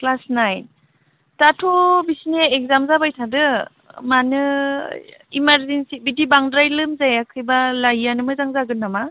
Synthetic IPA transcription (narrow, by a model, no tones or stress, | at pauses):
klasnajn | tatʰobisineek̚zamzabajtʰadɯ | manɯ | imaɾzensibidibaŋdɾajlɯmzajakʰɯjbalajanɯmɯzaŋzaɡɯnːama